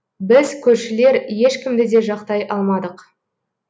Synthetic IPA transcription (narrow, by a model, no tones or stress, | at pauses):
bɪzkʲʰɵɾʃɪle̞ɾje̞ʃkʲɪmd̪ɪd̪e̞ʒɑqt̪ɑjʔɑlˠmɑd̪əq